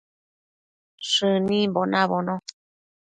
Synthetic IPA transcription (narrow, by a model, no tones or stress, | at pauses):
ʂɨnĩmbonãβonõ